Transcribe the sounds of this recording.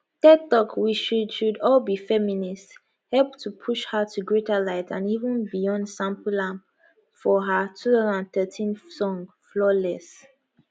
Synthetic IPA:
tɛt̪ɔkwiʃudʃudɔlbifɛminist | hɛlˠp̚tʰupʰuʃhatʰuɡɹetəlaɪtʰã̰nivə̃nbijɔ̃ndsãmpulãmp | fɔɦətʰuθazãnãnθɜtʰĩnsɔ̃ŋ | flɔlɛs

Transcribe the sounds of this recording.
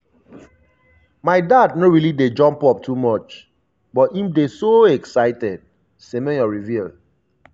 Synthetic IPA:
maɪdad̚noɹilided͡ʒɔ̃mpɔp̚tʰumɔt͡ʃ | bɔtĩmdesoɛksaɪtɛd̥̚ | semɛ̃nɔɹivil

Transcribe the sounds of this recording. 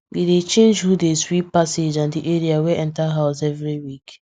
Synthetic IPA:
widet͡ʃẽnd͡ʒhudeswipːased͡ʒãndiʔeɹiaweʔɛ̃ntaɦaʊsɛvɹiwik

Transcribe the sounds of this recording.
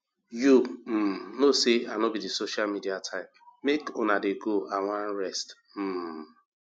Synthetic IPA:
jum̩noseanobidisoʃamidiatʰãɪ̃mmekʊnadeɡoaŋʷan̩ɾɛst | m̩

